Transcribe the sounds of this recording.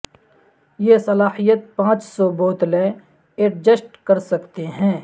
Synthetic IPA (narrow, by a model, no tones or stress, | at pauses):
jesɐlaːhijət̪̚pãːt͡ʃsɔboːt̪lẽ | eʈd͡ʒəsʈkɐɾsɐkt̪eɦɛ̃ː